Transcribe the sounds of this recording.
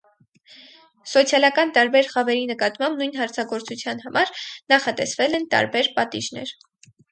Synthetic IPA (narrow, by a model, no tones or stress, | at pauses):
sɔt͡sʰjɑlɑkɑnt̪ɑɾbɛɾχɑvɛɾinəkɑt̪mɑmbnujn̪ɦɑɾt͡sʰɑɡɔɾt͡sut͡sʰjɑn̪ɦɑmʔɑɾnɑχɑt̪ɛsvɛlɛnt̪ɑ̰ɾbɛɾpɑt̪iʒnɛ̰ɾ